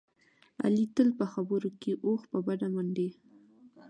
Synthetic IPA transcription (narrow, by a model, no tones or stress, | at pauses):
a̰lit̪əlpəxabəɾokeʔoxpəbad̪amaɳɖe